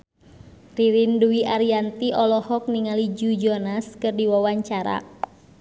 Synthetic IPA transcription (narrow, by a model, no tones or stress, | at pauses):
riɾinduiʔaɾiant̪iʔɔlɔhɔk̚niŋalid͡ʒud͡ʒɔnaskɨrdiwawaɲt͡ʃaɾa̰